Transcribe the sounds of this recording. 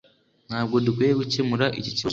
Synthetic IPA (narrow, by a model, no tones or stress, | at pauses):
n̥haːbɡodukwejeɡucemuɾaʔicici